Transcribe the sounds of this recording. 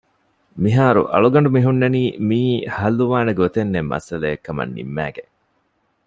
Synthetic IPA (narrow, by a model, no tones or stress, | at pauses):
miɦaːɾṵʔɐ̰ɭuɡɐɳ̆ɖumiɦunːɐniːmiːhɐluʋaːneɡot̪enːemːɐ̰sɐleekːɐmɐ̰nːḭmːæːɡe